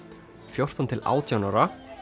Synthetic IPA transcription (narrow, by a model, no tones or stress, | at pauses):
fjowr̥t̪ɔnt̪ʰɪla̰ːwt̪ʰjawnaɾa